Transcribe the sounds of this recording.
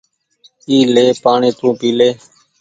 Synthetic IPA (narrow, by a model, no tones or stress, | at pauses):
iːleːpaːɳeːt̪ũːpiːleː